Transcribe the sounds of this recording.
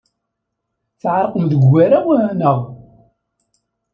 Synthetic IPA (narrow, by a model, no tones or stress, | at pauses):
θʕɾˤəqəmðəɡːæɾawænəʁ